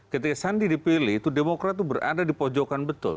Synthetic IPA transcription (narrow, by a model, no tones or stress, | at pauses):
kət̪̬ikasandidipiliht̪udemokɾat̪̚ːubərʔa̰dadipɔd͡ʒɔkanbət̪ʊ̰l